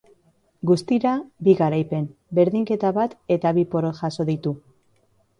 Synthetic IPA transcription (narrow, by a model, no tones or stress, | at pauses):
ɡust̪iɾabiɣaɾajpe̞mbe̞ɾðiŋke̞t̪aβat̪e̞t̪aβipo̞ɾoʝaso̞ðit̪u